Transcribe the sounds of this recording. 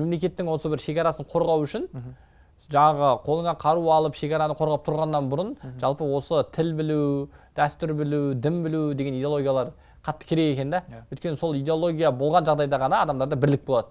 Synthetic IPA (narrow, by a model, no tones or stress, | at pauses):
memle̞kʲe̞t̪ːɪŋwo̞səbɪɾʃe̞kʲɑɾɑsəɴqʰo̞ɾʁɑwʏʃɪn | ʒɑɴɑʁəqʰo̞lˠəɴɑqʰɑɾuɑlˠəpʃe̞kʲɑɾɑnəqʰo̞ɾʁɑp̚t̪ʰʊɾʁɑnːɑnbʊɾʊnʒ̥ɑlˠpəwo̞sət̪ʰɪlbɪluwd̪̥æst̪ʏɾbɪlud̪ɪmbɪlud̪eɡʲeijd̪elˠoɡʲijalˠɑɾ | qʰɑt̪ːə̥kʲʰeɾe̞ɡe̞kʲe̞nd̪æwɵjt̪kʲe̞nɪso̞lˠijd̪eo̞lˠo̞ɡʲijabo̞lˠʁɑnʒɑʁd̪ɑjd̪ɑʁɑnɑːd̪ɑmd̪ɑɾd̪ɑbɪɾlɪk̚bo̞lˠɑd̪ə